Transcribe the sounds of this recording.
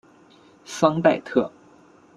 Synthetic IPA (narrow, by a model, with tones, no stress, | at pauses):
sɑ˥ŋt̪a˥˧ɪt̪ʰɤ˥˩